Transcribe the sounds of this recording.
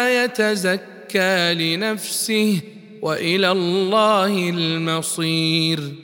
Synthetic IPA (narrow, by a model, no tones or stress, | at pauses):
jat̪azakːaːlɪnafsɪh | waʔɪlaːlːɑːhɪlmɑsˤiːɾ